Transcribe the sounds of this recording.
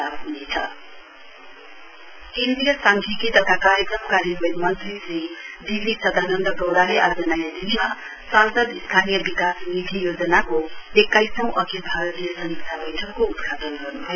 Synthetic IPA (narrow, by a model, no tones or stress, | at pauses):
abɦunet͡sʰʌ | kend̪ijʌsaŋkʰikit̪ʌkakaɾjekɾʌmkaɾjʌbʌnmʌnt̪risid̪ilisʌd̪ʱanʌnd̪ʌɡʌwɽaɦeʔad͡zʌnʌjad̪ilima | sãnsʌd̪ist̪ʰanijʌbikasnid̪ʱijod͡zʌnakoekːajsʌ̃w̃ʔʌkʰibʱaɾʌt̪ijʌsʌmiksʰabʌjʈʰʌkːoud̪ɡʰat̪ʌnɡʌrnubʱʌjo